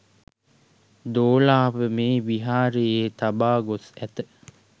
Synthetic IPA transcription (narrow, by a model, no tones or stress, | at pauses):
d̪oːlaːʋəmeːʋiɦaːɾejeːt̪abaːɡosæt̪ə